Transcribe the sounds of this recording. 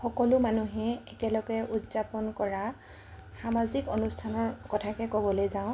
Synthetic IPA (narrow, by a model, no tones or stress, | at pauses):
xɔkɔlʊmanuɦɛɛkɛlɔɡɛʔutzapɔnkɔɹa | xamazikonustʰanɔɹkɔtʰakɛkɔbɔlojzaʊ̃